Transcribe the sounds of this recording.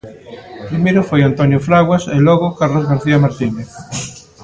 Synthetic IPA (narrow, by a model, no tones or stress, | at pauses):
pɾimeɾofojant̪onjoflaɣwaselɔɣokaɾlozɣaɾθiamaɾt̪ineθ